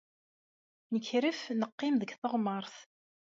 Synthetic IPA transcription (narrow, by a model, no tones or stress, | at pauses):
nəçɾəfnəqːɪmðəɡθəʁməɾˤθ